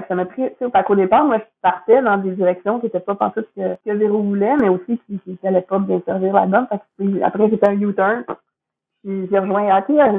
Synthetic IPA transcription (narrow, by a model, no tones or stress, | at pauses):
ɛksamapχit͡sepakod̪epaːʁmwaʒpaʁt̪ɛd̪ɑ̃d̪ed͡ziʁɛksjɔ̃kʲiet̪ɛpɔpɑ̰̃t̪ʊt̪kʲəkəveʁovulɛmɛosikʲikʲikʲialɛpɔbjɛ̃sɛʁviːʁla̰lbɔmfɛksia̰pχɛset̪ɛœ̃njut̪œ˞n | iʒiʁəʒwɛ̃akeə